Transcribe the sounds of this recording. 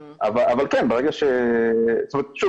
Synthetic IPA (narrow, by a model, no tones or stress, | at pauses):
avaavalkɛnbeʁeɡaʃe | tmat̪̚ʃu